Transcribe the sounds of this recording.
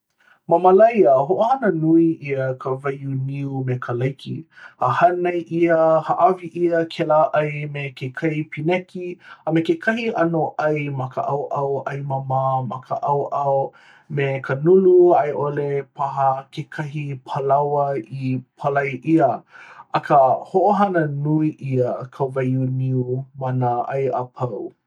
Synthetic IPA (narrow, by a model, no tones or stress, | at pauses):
mɐmɐlɐjəɦoʔohɐnənuiʔiəkʰəvajuniumekʰəlɐjkʰḭəhɐnɐjʔiəhəʔɐviʔiəkʰɛlaʔɐjmekʰekʰɐipʰinɛkiəmekekʰɐhiʔɐnoʔɐjmɐkə̰ʔawʔawʔɐjmamamɐkʰəʔawʔaw | mekʰɐnuluajʔolepʰaɦɐkʰekʰɐɦipʰəlawɐipʰɐlɐjʔiəɐkʰəhoʔoɦɐnənuiʔiəkʰəvajuniumɐnəʔɐ̰jʔapʰɐw